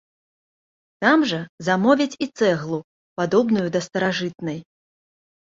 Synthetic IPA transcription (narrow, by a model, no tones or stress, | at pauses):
t̪amʐɐzamɔvʲit͡sʲit̪sɛɣlˠu | pad̪ɔbnujud̪ɐst̪ɐɾaʐɨt̪̚nɐj